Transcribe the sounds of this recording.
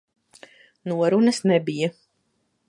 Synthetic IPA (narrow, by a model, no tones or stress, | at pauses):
nuɔɾunɐsnɛbija